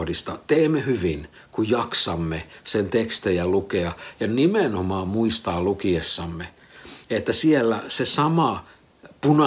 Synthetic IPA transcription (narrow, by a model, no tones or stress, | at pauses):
hdist̪ɑt̪eːmːehyʋin | kujjɑksɑmːesent̪ekst̪ejɑlukeɑjɑnimenomɑːmmuist̪ɑːlukiesːɑmːe | et̪ːæsielːæsesɑmɑ | punɑ